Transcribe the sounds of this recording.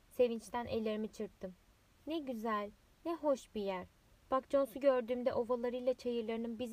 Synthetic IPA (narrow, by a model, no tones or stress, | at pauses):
se̞vint͡ʃt̪ʰænʔe̞lʲeɾimit͡ʃʰɯɾk̚t̪ʰːɯm | nɛɟyzælʲ | nɛɦo̞ʃbijæɾ̥ | b̥ak̚d͡ʒo̞nsuɟø̞ɾd̪yːmd̪ɛʔo̞valˠaɾɯjlˠat͡ʃʰajɯɾlˠaɾɯnɯmbiz